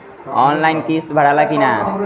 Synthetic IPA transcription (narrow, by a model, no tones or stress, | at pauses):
ɔnlainkist̪bʱəɽ̤alakina